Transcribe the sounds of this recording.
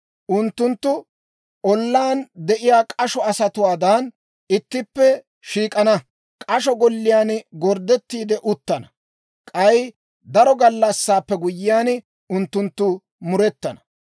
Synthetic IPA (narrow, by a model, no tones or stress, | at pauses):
ʔʊnt̪ːʊnt̪ːʊ | ʔɔlːaːnd̪ɛʔɪjaːkʼɐʃɔɐsɐt̪ʊwaːd̪aːn | ɪt̪ːɪpːɛ | ʃiːkʼɐnɐ | kʼɐʃ̬ɔɡɔlːɪjaːnɡɔɾd̪ɛt̪ːiːd̪ɛʔʊt̪ːɐnɐ | kʼɐj | d̪ɐɾɔɡɐlːɐsːaːpːɛɡʊjːɪjaːn | ʊnt̪ːʊnt̪ːʊ | mʊɾɛt̪ːɐnɐ